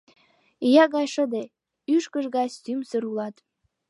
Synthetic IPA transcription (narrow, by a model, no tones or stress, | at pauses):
ijɑɣɑjʃə̆d̪e | yʃkə̆ʒɡɑt͡ɕt̪ymsəɾulɑt̪